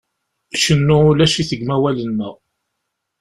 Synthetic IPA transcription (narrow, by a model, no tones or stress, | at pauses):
ʃənːʊʊlæʃiθəɡmæwælənːəʁ